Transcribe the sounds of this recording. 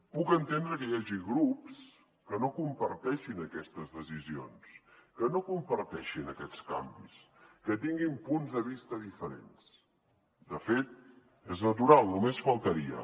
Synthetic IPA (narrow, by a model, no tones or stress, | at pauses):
pukənt̪end̪ɾəkəjaʒiɣɾups | kənokumpəɾt̪ɛʃinəkɛst̪əzðəzizio̰nskənokumpəɾt̪ɛʃinəkɛt͡ska̰mbḭs | kət̪iŋɡimpunzðəβist̪əðifəɾḛns | d̪əfet̪̚ | eznət̪uɾalˠnumesfəlˠt̪əɾiə̰